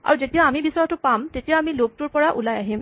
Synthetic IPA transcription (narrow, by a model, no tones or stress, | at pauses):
a̰ɹuzetijaːmibisɔjatʊpamtetijaːmilob̚tuɹpɔɹaʔṵlajaɦim